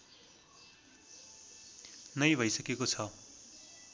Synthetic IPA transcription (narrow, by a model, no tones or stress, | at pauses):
nʌjbʱʌjsʌkekot͡sʰʌ